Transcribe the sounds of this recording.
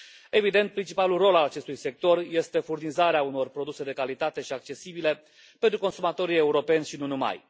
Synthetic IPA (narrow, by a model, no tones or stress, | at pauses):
e̞vid̪e̞nt̪̚pɾint͡ʃipalulro̞lalat͡ʃe̞st̪ujse̞k̚t̪o̞rje̞st̪e̞furnizaɾeauno̞rpɾo̞d̪use̞d̪e̞kalit̪at̪e̞ʃiak̚t͡ʃe̞sibile̞ | pent̪ɾuko̞nsumat̪o̞ɾije̞uɾo̞pe̞nʲʃinunuma̰j